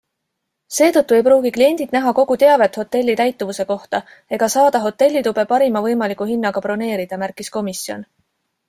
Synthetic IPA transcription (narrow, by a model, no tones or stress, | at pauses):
se̞ːt̪ɤt̪ːˑue̞jpɾuːɡ̥iklie̞nʲd̪̥id̪̥̚næɦɑko̞ɡ̥ut̪e̞ɑve̞t̪ˑho̞t̪ːe̞lʲːit̪æjt̪ːˑuvuse̞ko̞ht̪ɑ | e̞ɡ̥ɑsɑːd̪̥ɑɦo̞t̪ːˑe̞lʲːit̪ub̥e̞pɑɾimɑvɤ̞jmɑlikuɦinːɑɡ̥ɑpro̞ne̞ːɾid̪̥ɑmærkˑisko̞misjo̞̰n